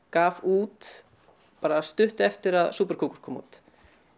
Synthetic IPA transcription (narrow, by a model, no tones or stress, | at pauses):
kaːvuːt̪ | paːɾast̪ʏht̪ɛft̪ɪɾaðsuːpɛɾ̥kʰowkʏɾ̥kʰɔːmṵːt̪